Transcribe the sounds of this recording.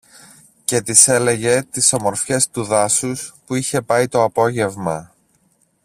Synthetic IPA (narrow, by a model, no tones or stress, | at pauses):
ce̞t̪ise̞le̞ʝe̞t̪iso̞mo̞ɾfçe̞st̪uðɐsuspuiçe̞pɐit̪o̞ɐpo̞ʝe̞vmɐ